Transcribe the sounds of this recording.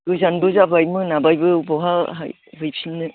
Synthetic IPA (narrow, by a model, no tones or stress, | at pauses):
ɡɯzanbɯzabajmɯnabajbɯbɔɦaɦa̰j | bɯjpʰinːɯ